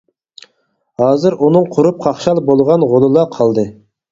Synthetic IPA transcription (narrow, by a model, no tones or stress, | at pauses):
hɑːzɨɾunɨŋqʰʊɾup̚qʰɑχʃɑlˠbolˠʁɑnʁolˠɨlˠɑqʰɑlˠd̪ɨ